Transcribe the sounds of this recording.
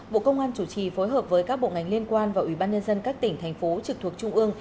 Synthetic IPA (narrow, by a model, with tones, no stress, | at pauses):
ɓo̰˧˨kə˧wŋ͡mʔaː˧nt͡ɕu˧˩t͡ɕi˨˩fo˨˦jɦəː˨˩p̚vəː˨˦jkaː˦˥k̚ɓo̰˧˨ŋa˨˩jŋ̟li˧ənkwaː˧nvaː˨˩ʔi˧˩ɓaː˧ɲə˧nzə˧nkaː˦˥k̚t̪ï˧˩ŋ̟t̪ʰɛ˨˩jŋ̟fo˨˦t͡ɕɨ˨˩k̚t̪ʰu˨˩ək̚t͡ɕʊ˧ŋ͡mʔɨ˧əŋ